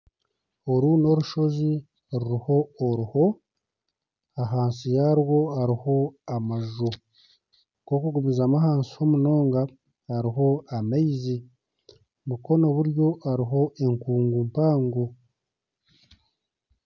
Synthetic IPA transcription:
oɾuːno̞ɾuʃo̞zi | ɾuɾiho̞ːɾuho̞ | aɦaːnsijaɾwo̞aɾiho̞amaʒo | ko̞kuɡumizamaɦaːnsi̥ho̞muno̞ːŋɡaː | ɾiɦo̞ameizi | muko̞no̞βuɾjo̞aɾiɦo̞e̞ŋkuːŋɡumpaːŋɡo

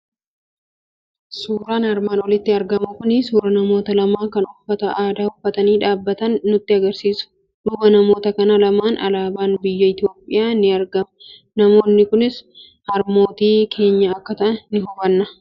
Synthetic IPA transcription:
suːɾaːnɐɾmaːnɔlɪt̪ːɪɐɾɡɐmɐkʊnɪsuːɾɐnɐmo̞ːt̪ɐlɐmaːkɐnʊfːɐt̪ɐʔaːd̪aːʊfːɐt̪ɐniːᶑaːbːɐt̪ɐnːʊt̪ːɪɐɡɐɾsiːsʊ̥ | dʊbɐnɐmo̞ːt̪ɐkɐnɐlɐmaːnʔɐ̰laːbaːnbɪjːɐɪt̪ɪjo̞ːpʼːɪjaːnɪɐɾɡɐmɐ | nɐmo̞ːnːɪkʊnɪs | hɐɾmo̞ːt̪iːkʰe̞ːɲːɐːkːɐt̪ɐʔɐːɪɦɔbɐnːɐ

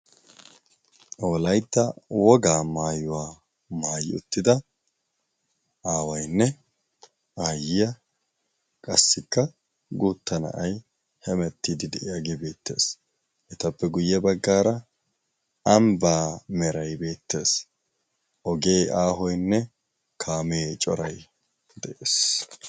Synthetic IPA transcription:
ʔoːlɐjt̪ːɐwɔɡaːmaːjʊwaː | maːjɪʊt̪ːɪd̪ɐ | ʔaːwɐjnːɛ | aːjɪjɐ | kʼɐsːɪkːɐ | ɡuːt̪ːɐnɐ̰ʔɐj | hɛmɛt̪ːid̪ɪd̪ɛʔɪjaɡebe̞ːt̪ːe̞ːs | ʔɛt̪ɐpːɛɡʊjːɛbɐɡːaːɾɐ | ɐmbaːmɛɾɐjbe̞ːt̪ːe̞ːs | ʔɔɡe̞ːʔaːɦɔjnːɛ | kʰaːmeːt͡ʃʼɔɾɐj | d̪ɛʔeːs

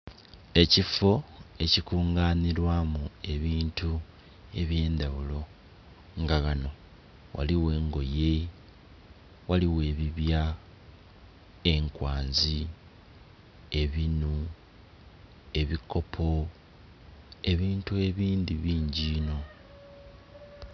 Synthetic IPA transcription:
e̞cifo̞e̞cikuːŋɡaːniɾwamue̞βiːntu | e̞βje̞ːndaβulo̞ | ŋɡaɣano̞ | wʔa̰liwe̞ːŋɡo̞je̞ | waliwe̞ːβiβja | e̞ŋkwaːnzi | e̞βinu | e̞βikʰo̞pʰo̞ | e̞βiːntue̞βiːnd̪iβiːɲɟiːno̞

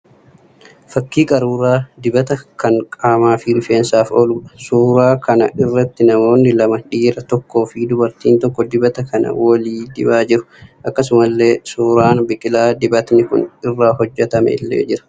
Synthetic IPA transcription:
fɐkːiːkʼɐɾuːɾaːd̪ɪbɐt̪ɐkɐŋkʼaːmaːfɪɾɪfeːnsaːfɔlʊɐsuːɾaːkɐnɐ̰ʔɪrːɐt̪ːɪnɐmo̞ːnːɪlɐmɐᶑiːɾɐt̪ɔkːo̞ːfid̪ʊbɐɾt̪iːnt̪ɔkːɔd̪ɪbɐt̪ɐkɐnɐ̰wɔliːd̪ɪ̰baːd͡ʒɪɾʊ̥ʔɐkːɐs̬ʊmɐlːe̞ːsuːɾaːnbɪkʼɪlaːd̪ɪbɐt̪nɪkʊ̰nɪrːaːɦɔd͡ʒːɛt̪ɐmɛ̰ɪ̰lːḛːd͡ʒɪɾɐ̥

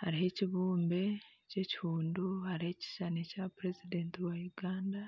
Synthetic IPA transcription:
haɾiɦe̞ciβuːmbe̞ | ce̞ci̥huːnduhaɾihe̞ci̥ʃanecapɾe̞zide̞ːntiwajuɡaːnda

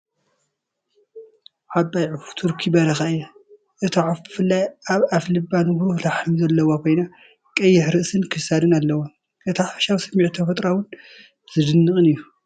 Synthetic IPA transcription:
ʕabːajʕut̪ʰuɾkʰibɐɾɐxaɨjːɛ | ʔɨt̪ʰaʕafbɨfɨlːajaβaflɨbːanɡɾulaħɨmzɐlːɐwakʰo̞jna | kʼɐjːɪħɾɨʔsɨnkʰɨsad̪ɨnalːɐwo | ɨt̪ʰaħafʃawsɐmːiʕt̪ʰɐfɐt̪ʼɾawʊn | z̥ɨd̪ɨnːɨkʼɨnɨjːu

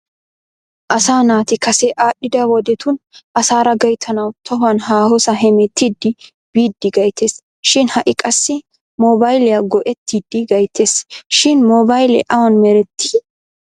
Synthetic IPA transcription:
ʔɐsaːnaːt̪ɪkɐsɛʔaːɗɪd̪ɐwɔd̪ɛt̪ʊnʔɐsaːɾɐɡɐjt̪ʰːɐnɐwt̪ʰɐɦʊɐnɦaːhɔsɐɦɛmɛt̪ːiːd̪ːɪ | b̥iːd̪ːɪɡɐjt̪ʰeːs | ʃɪnhɐʔɪkʼɐsːɪ | mɔbɐjlɛjɐɡɔʔɛt̪ːiːd̪ːɪɡɐjt̪ːeːsʃɪnmɔbɐjlɛ̰ʔɐwɐnmɛɾɛt̪ːi̥

